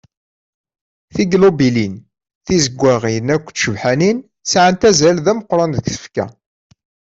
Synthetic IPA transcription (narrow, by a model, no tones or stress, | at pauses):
θiɡlobilin | θizəɡʷːæʁinækʷːʃəvħænin | sʕənt̪æzælðæməqːɾˤɑnðkθə̥fkæ̰